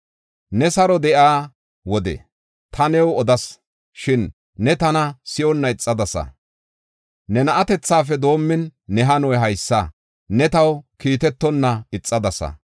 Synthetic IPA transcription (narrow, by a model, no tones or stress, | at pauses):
nɛsɐɾɔd̪ɛʔaː | wɔd̪ɛ̰ | t̪ʰɐnɛwɔd̪ɐs | ʃɪnː | ɛt̪ɐnɐsɪʔɔnːɐɪt͡sʼːɐd̪ɐsɐ̰ | nɛnɐʔɐt̪ɛt͡sːaːfɛd̪o̞ːmːɪnːɛɦɐnɔjɦɐjsːɐ | nɛt̪ɐwkiːt̪ɛt̪ːɔnːɐɪt͡sʼːɐd̪ɐsɐ̰